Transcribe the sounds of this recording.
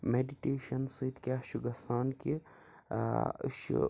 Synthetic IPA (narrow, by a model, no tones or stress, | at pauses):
meɖiʈeːʃɐnsɨt̪kʲaʃuɡɐsaːnki | ʃṵ